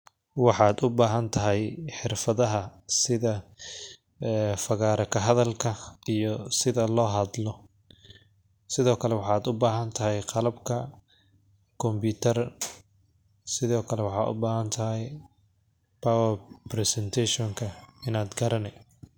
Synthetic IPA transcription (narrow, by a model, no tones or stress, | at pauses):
wɑħɑːd̪ʊbaːɦɐnt̪ʰɐɦɛjħɪrfɐðɐɦɐsɪðɐ | ɛfɐɣaːɾɐkʰɐɦɐðɐlkʰɐijɔsɪðɐlɔːɦɐðlɔ | sɪðɔːkʰɐlɛwɑħɑːd̪ʊbaːɦɐnt̪ʰɐɦɛjqɑlɐbkʰɐ | kʰɔmbuːt̪ʰɐr | sɪðɔːkʰɐlɛwɑħɑ̰ːʔʊ̰baːhɐnt̪ʰɐɦɛj | pawɐprɛsɛnt̪ʰɛʃɔŋkʰɐɪnaːd̪ɡɐɾɐnɛ